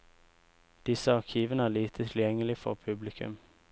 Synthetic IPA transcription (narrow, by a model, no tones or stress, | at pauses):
d̪̥ɪsəɑʁkʰiːʋənəæliːt̪ʰət̪ʰɪljɛŋəlɪfɔ̰ʁpʰʉblɪkʰʉ̰m